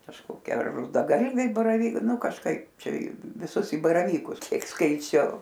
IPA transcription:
kɐʃkoːˈkʲiɛ ɐr rʊdɐˈɡɐlʲʋʲɛɪ bɐrɐˈʋʲiːk ˈnʊ kɐʃˈkɐɪp ˈt͡ʃʲɛ ɪ ʋʲɪˈsʊs ɪ bɐrɐˈʋʲiːkʊs ˈkʲiɛk skɐɪˈt͡ʃʲɛʊ

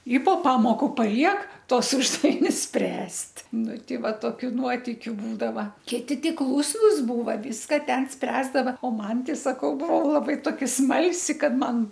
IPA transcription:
ɪ poː ˈpɑːmoːkʊ pɐˈlʲiɛk ˈtuɔs ˈʊʒdɐʋʲɪnʲʊs ˈsʲpʲrʲæːsʲtʲ ˈnʊ ˈtʲɛɪ ˈʋɐ toːˈkʲʊ ˈnuɔtʲɪkʲʊ ˈbuːdɐʋɐ ˈkʲɪtʲɪ ˈtʲɪ ˈklˠuːsnʊs ˈbuːʋɐ ˈʋʲiːskɐ ˈtʲɛn ˈsʲpʲrʲæːzdɐʋɐ oː ˈmɐn tʲɛɪ sɐˈkɐʊ ˈbʊʋɐʊ lˠɐˈbɐɪ toːˈkʲɛ ˈsmɐlʲsʲɪ ˈkɐt ˈmɐn

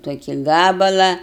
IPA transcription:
toːˈkʲɪ ˈɡɑːbɐlˠɐ

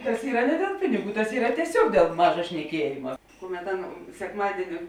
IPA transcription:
tɐs ˈiːrɐ nʲɛ dʲeːlˠ ˈpʲɪnʲɪˌɡuː tɐs ˈiːrɐ tʲiɛˈsʲoːk dʲeːlˠ ˈmɑːʒɐ ʃʲnʲɛˈkʲiɛjɪmɐ ˈkʊˌmʲɛt ˈɑːˌnɐ sʲɛkˈmɑːdʲiɛnʲɪ

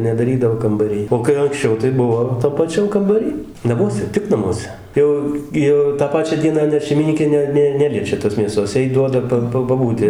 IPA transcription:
nʲɛdɐˈrʲiːdɐʋoː kɐmbɐˈrʲɪj oː kɐɪ ɐŋksʲˈt͡ʃʲɛʊ tɐɪ ˈbʊʋoː tɐm pɐˈt͡ʃʲɛm kɐmbɐˈrʲiː nɐˈmuɔsʲɛ ˈtʲɪk nɐˈmuɔsʲɛ ˈjɛʊ ɡʲɪ ˈjɛʊ tɑː ˈpɑːt͡ʃʲæː ˈdʲiɛnɑː ˈnʲɛt ʃʲɛɪmʲɪˈnʲiːkʲeː ˈnʲɛ ˈnʲɛ ˈnʲæːlʲiɛt͡ʃʲɛ toːs mʲeːˈsoːs ˈjɛɪ ˈduɔdɐ pɐ ˈpɐ pɐˈbuːtʲɪ

